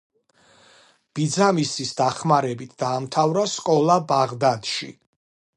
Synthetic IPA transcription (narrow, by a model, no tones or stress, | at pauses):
b̥id̪zamisisd̪aχmaɾɛbit̪ʰd̪̥aːmt̪ʰavɾaskʼɔlˠabaʁd̪ad̪ʃḭ